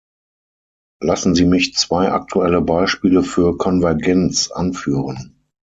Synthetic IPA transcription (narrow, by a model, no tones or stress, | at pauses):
lasn̩ziːmɪçt͡sv̥aɪʔa̰k̚tʰuɛləbaɪʃpiːləfyːɐkʰɔnvɛɐɡɛnt͡sʔa̰nfyːʁən